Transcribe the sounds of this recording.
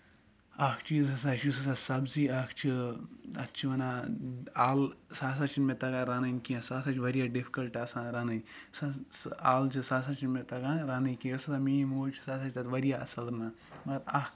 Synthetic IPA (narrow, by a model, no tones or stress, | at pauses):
akʰt͡ʃiːzɐs̬aːt͡ʃusɐs̬asɐbziːakʰt͡ʃʰiɐ̰tt͡ʃʰiʋɐna | aːlsaːs̬at͡ʃʰinmẽt̪ɐɡãːɾaːnɐinkiãsaːsaːt͡ʃʰiʋɐɾijaːɖifʰi̥kɐlʈɐsãːɾanɐjsaaːlt͡ʃʰisaːs̬ãːt͡ʃʰinmẽt̪ɐɡãːɾaːnɐikeɐsɾamiːmoːt͡ʃʰi̥saːs̬aːt͡ʃʰt̪ɐt̪ʋɐɾijaɐsɐlɾna | mɐɾaːk